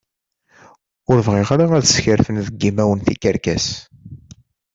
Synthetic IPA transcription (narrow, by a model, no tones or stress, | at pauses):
ʊɾvʁiʁɾaæðsçəɾfənðəɡːimæwənθikæɾkæs